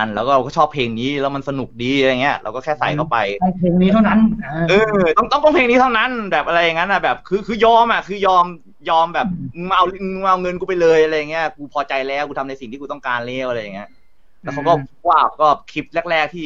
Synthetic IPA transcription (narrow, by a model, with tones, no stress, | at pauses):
a˧nlɛː˦wkɔː˥˩ɾa˧wkɔː˥˩ɔː˥˩pʰeː˧ŋniː˦˥lɛː˦˥wma˧nsa˧nu˨˩k̚diː˨˧˨jŋːi˦˥ɐʔɾa̰˧kɔː˥˩kʰɛː˥˩sa̰˨˩jk̪ʰa˥˩wpa˧jɔ˥˩ŋpʰeː˧ŋniː˦˥t̪ʰa˥˩wna˦˥n˧ʔɯː˧t̪ɔ˥˩ŋt̪ɔ˥˩ŋt̪ɔ˥˩ŋpʰeː˧ŋni˦˥a˥˩wna˦˥˨nbɛː˨˩p̚ʔa˧ɾa˧jːa˨˩ŋːa˦˥nʔa˨˩bɛː˨˩p̚kʰɯː˧kʰɯː˧jɔː˧mʔa˨˩kʰɯː˧jɔː˧m | jɔː˧mbɛː˨˩p̚ma˧wlma˧wŋɤ˧nku˧pa˧jlɤː˧jʔa˧ɾa˧jːa˨˩ŋːi˦˥ɐkuː˧pʰɔː˧t͡ɕa˧jlɛː˦˥wkuː˧t̪ʰa˧mna˧jsi˨˩ŋt̪ʰiː˥˩uː˧t̪ɔ˥˩ŋkaː˧nleː˥˩wʔa˧ɾa˧ja˨˩ŋːi˦˥ɐ | lɛ˦˥wkʰa˧wkɔː˥˩˥waː˧˩p̚kɔː˥˩kʰi˦˥p̚lɛ˥˩k̚lɛː˥˩k̚t̪ʰiː˥˩